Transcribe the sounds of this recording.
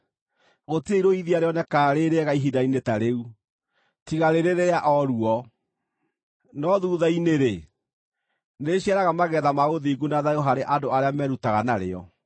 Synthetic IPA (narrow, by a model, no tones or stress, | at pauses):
ɣotieiɾoiðiaɾeɔnɛkaːɾeɾeɛɣaiɦidainetaɾeu | tiɣaɾeɾeɾeaʔɔɾuɔ | nɔðuːðaineɾe | neɕiaɾaɣamaɣɛðamaoðiɡunaðajoɦaɾeʔadoaɾeamɛɾutaɣanaɾḛɔ̰